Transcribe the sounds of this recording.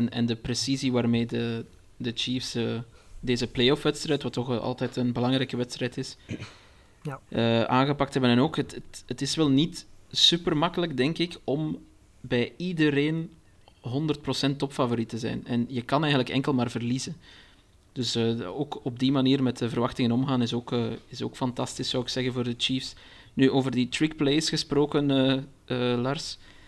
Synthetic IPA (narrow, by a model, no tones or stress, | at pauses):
ɛnɛ̰ndəpresiziʋaːrmeːdə | dət͡ʃifsə | deːzəpleːɔfʋɛtstrɛːjtʋɑtːɔxɑ̰lˠtɛːtənbəlɑŋɾɛjkəʋɛtstrɛjtɪs | əaːnɣəpɑk̚tɦɛbənɛnoːkətətətɪsʋɛlˠnitsypərmɑkələkdɛŋkɪkɔm | bɛjidəɾeːn | ɦɔndərt̚prosɛntːɔpfavoɾitəzɛ̰jnɛnjəkɑnɛːjɣənləkɛ̰ŋkəlˠmaːrvərlizən | d̥ɵsəːoːkɔb̚dimaniːrmɛtəvərʋɑxtɪŋənɔmɣaːnɪsoːkəːɪso̰ːkfɑntɑstɪsːɑwɪksɛɣənvoːrdət͡ʃiːfs | nyʔoːvərditɾɪkpleːjsxəsproːkənəː | əːlɑrs